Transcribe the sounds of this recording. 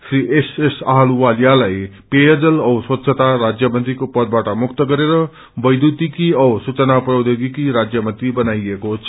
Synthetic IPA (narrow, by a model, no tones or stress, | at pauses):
sʰriʔesesaɦaluwaljalaj | pejʌd͡zʌlʌswʌt̪sʰʌt̪aɾad͡zjʌmʌnt̪ikopʌd̪̚baʈʌmukt̪ʌɡʌɾeɾʌ | bʌjd̪ut̪ikiʌwsut͡sʌnaprʌwd̪joɡikiɾad͡zjʌmʌnt̪ibʌnajekot͡sʰʌ